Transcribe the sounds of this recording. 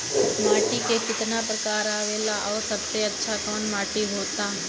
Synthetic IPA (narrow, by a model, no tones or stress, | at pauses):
maːʈiːkekɪt̪naːpɾəkaːɾaːʋeːlaʔɔːsəb̚t̪eətːʃʰaːkɔːnmaːʈiːɦoːt̪aː